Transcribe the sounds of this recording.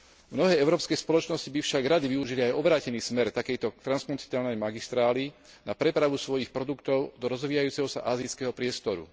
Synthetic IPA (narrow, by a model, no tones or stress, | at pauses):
mnɔɦɛːɛʊɾɔːpskɛjspɔlɔt͡ʃnɔscibifʃaɡɾad̪iʋiuʒiliajɔbɾaːcɛniːsmɛɾt̪akɛjt̪ɔt̪ɾanspɔnsi̥t̪aːlnɛjmaɡist̪ɾaːli | na̰pɾɛpɾaʋusʋɔjixpɾɔd̪ukt̪ɔʊd̪ɔɾɔzʋiːjajuːt͡sɛɦɔsa̰ʔaːzijskɛɦɔpɾɪɛst̪ɔɾṵ